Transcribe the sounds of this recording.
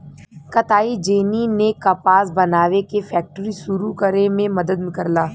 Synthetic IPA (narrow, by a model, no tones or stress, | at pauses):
kɐt̪aːid͡ʒeːninekapaːsbɐnaːʋekefɛːk̚ʈəɾisuɾukəɾemẽmɐd̪əd̪mkɐɾlaː